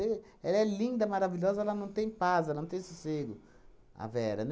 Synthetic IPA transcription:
e | ɛlɐɛlĩnd̪ɐmaɾaviʎɔzɐɛlɐnɐ̃w̃t̪ẽj̃pazɛlɐnɐ̃t̪ẽj̃soseɡʊ | a̰vɛɾɐ̰n

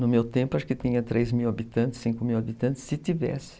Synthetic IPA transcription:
nʊmewt̪ẽmpʊaʃʊ̥kɪt̪ĩɲɐt̪ɾʔejzmiwabit̪ɐ̃nt̪ɪ̥sĩŋkʊmiwabit̪ɐ̃nt̪ɪ̥sːɪt̪ivɛ̰sɪ̥

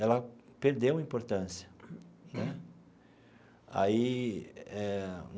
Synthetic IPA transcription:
ɛlɐpeɾd̪ewɐĩpoɾt̪ɐ̃siɐnɛ | a̰i | ɛ̃

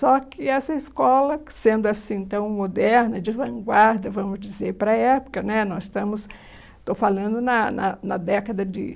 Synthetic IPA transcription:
sɔkɪɛsɐɪskɔlɐsẽnd̪ʊɐsĩẽt̪ɐ̃w̃mod̪ɛɾnɐd͡ʒɪvɐ̃ŋɡwaɾd̪ɐvɐ̃mʊzd͡ʒɪzeɾpɾɐɛpʊ̥kɐnɛnɔzɪst̪ɐ̃mʊs | t̪ofalɐ̃nd̪ʊnɐnɐ̰nɐd̪ɛkɐd̪ɐd͡ʒɪ̰

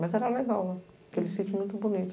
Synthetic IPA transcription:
mɐzɛɾɐleɡawnɛ̃ | kelɪsĩt͡ʃimũj̃t̪ʊbunit̪

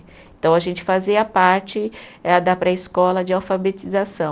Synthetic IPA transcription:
ẽt̪ɐ̃w̃ɐʒẽnt͡ʃɪ̥faziɐpaɾt͡ʃɪɛɐd̪apɾɐɪskɔlɐd͡ʒɪawfabet͡ʃizasɐ̃w̃

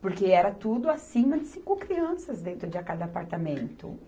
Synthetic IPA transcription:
poɾkeɛɾɐt̪ud̪ʊasĩmɐd͡ʒɪsĩŋkʊkɾiɐ̃sɐzd̪ẽnt̪ɾʊd͡ʒɪakad̪ɐapaɾt̪amẽnt̪ʊ̰

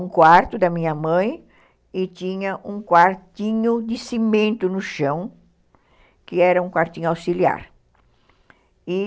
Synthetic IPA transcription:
ũkwaɾt̪ʊd̪ɐmĩɲɐmɐ̃j̃ | ɪt͡ʃ̪ĩɲɐʔũkwaɾt̪ĩɲʊd̪ɪsimẽnt̪ʊnʊʃɐ̃w̃ | kɪɛɾɐũkwaɾt̪ĩɲʊawsilia̰ɾ | ɪ

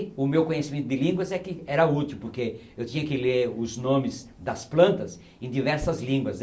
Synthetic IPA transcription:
ʊmewkõɲesimẽt̪ʊd̪ɪlĩɡwɐzɛkɪɛɾɐut̪iwpoɾke | ewt̪ĩɲɐkɪleɾʊznõmɪzd̪ɐsplɐ̃nt̪ɐs | ẽd̪ivɛɾsɐzlĩŋɡwɐz

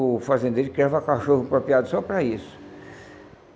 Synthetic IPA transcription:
fazẽnd̪ejɾɪkɾɛvɐkaʃohʊpɾopiad̪ʊsɔpɾɐisʊ̥

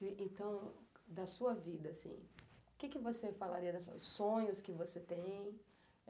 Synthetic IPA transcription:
ɪẽnt̪ɐ̃w̃d̪ɐsuɐvid̪ɐsḭ̃ʊkɪkɪvosefala̰ɾiɐd̪ɐsʊsõɲʊskɪvoset̪ẽj̃

